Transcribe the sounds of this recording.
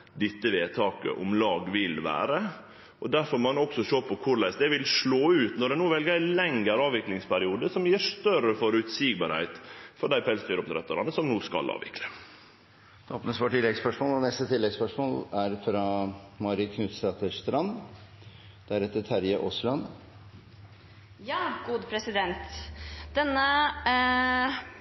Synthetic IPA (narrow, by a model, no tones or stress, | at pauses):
d̪ɪt̪ːəʋeːt̪ʰɑːkə̰ʔʊ̰mlɑːɡʋɪlʋæ̰ːɾə | ʔɔd̪æɾfɔɾmɑnɔksɔʃoːpʰɔkʰʊɾɭæɪsd̪ɛʋɪlʂɭoːʉːt̪nɔɾɖ̪ɛnuːʋɛlɡəɾlɛŋəɾɑːʋɪklɪŋspʰæɾɪuːd̪əsɔmjiːʂt̪œɾəfɔɾʉt̪siːɡ̚bɑɾhæ̰ɪt̪fɔɖæɪpʰɛlsd̪yːɾʊp̚t̪ɾɛt̪ːɑɾɑ̰nəsɔmnuːskɑ̰lɑ̰ːʋɪ̰klə | d̪oːpnəsʋɔːʈʰɪlːɛɡspœʂmoːlɔnɛst̪ət̪ʰɪlːɛɡspœʂmoːlæɾfɾɑmɑɾɪkʰnʉːt̪sɑt̪əʂt̪ɾɑn | d̪̥æɾɛt̪ːət̪ʰæɾjəʔɔslɑn | jɑːɡ̥uːd̪əpʰɾɛsɪd̪ɛnt̪d̪̥ɛnːə